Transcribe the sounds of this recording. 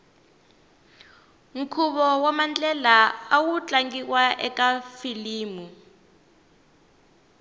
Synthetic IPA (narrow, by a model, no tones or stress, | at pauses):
ŋ̩kʰuɓɔwamant͡ɬʼɛlaawut͡ɬaŋɡik̬waʔɛkafiliːmu